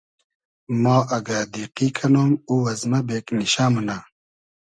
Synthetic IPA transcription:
maːʔɐɡaːd̪iːqikʰɐnoːmuwɐzmɐbeːkniɕaːmuna

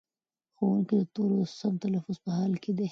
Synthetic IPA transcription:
xowuŋkid̪ət̪oɾosamt̪alafʊzpəhɑlkʰed̪e

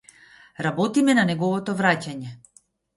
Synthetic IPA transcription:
ɾabɔt̪imɛnanɛɡɔvɔt̪ɔvɾacaɲɛ

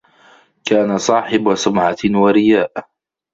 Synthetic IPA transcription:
kaːnasˤɑːħɪbwasʊmʕawaɾɪjaːʔ

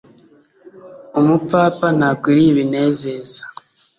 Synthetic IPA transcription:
omup͡faːpanakwiɾiβine̞ːzezḁ

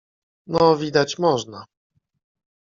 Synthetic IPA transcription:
nɔvʲid̪at͡ɕmɔʐna

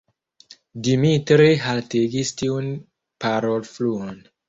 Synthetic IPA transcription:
dimitɾiɦalteɡistiun | paɾolfluon

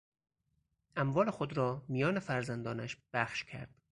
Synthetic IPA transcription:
ʔæmvɒːlexod̪ɾɒːmijɒːnefæɾzænd̪ɒːnæʃb̥æxʃcʰæ̰ɾd̪̥

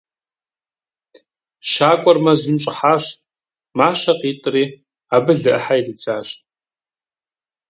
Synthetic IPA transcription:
ʃaːkʷʼɔrmɐzɨmɕʼɪħaːɕ | maːɕɐqiːtʼɨriː | aːbɨɮɨʔəħajdit͡sʰʼaːɕ

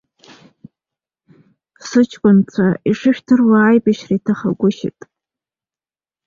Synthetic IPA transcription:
sɨt͡ʃʰʼkʷʼʊnt͡sʷʰaiʂɨʃᶣtʰɨrwaːjbaʃraitʰaχa̰ɡʷʊʃɪ̰tʼ

